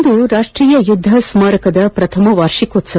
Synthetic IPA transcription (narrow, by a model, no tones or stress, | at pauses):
d̪uɾaːʂʈɾiːjɐjud̪ʱːɐsmaːɾɐkɐd̪ɐpɾɐt̪ʰɐmɐʋaːɾʂikoːt̪sɐ